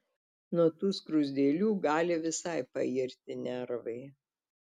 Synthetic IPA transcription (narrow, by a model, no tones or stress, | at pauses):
nuɔt̪uːskɾʊzʲd̪ʲeːlʲuːɡɑːlʲɪʋʲɪsɐɪpɐ̰ɪɾʲt̪ʲɪnʲɛɾʋɐɪ